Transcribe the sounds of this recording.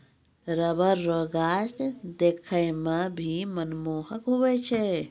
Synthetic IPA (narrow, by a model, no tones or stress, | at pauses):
ɾəbəɾːoɡast̪d̪ekʰəjmabʱimənmoːhəkɦuʋet͡ʃʰe